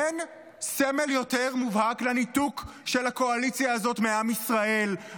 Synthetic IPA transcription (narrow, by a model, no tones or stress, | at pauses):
en | seme̞ljo̞te̞ʁmuvhaklanituk | ʃe̞lako̞alit͡sjaːzo̞tmeamisʁaʔe̞l